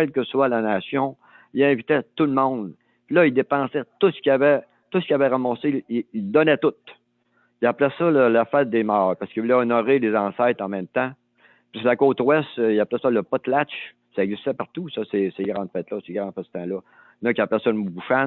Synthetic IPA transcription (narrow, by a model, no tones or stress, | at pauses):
ɛlkəswalanasjɔ̃ | ilɛ̃vit̪ɛt̪ulmɔ̃d̪ | pilʌild̪epɑ̃ːsɛt̪usə̥kʲiavɛ | t̪uskʲavɛʁamɔseiild̪ɔnɛt̪ʊt̪̚ | iaplɛsʌləlafɛɪt̪̚d̪eːmɑːʁpaʁsəkəvulɛɔnɔʁelezɑ̃ːsɛɪt̪ɑ̃mɛ̃mt̪ã | pislakoːt̪wɛst̪iaplɛsʌləpɔt̪lat͡ʃ | saɛɡzist̪ɛpaʁt̪usʌseseɡʁɑ̃ːd̪fɛːt̪lʌseɡʁɑ̃ːd̪fɛsə̥t̪ɑ̃lɔ | nɔkʲaplɛsɔləmubuʃan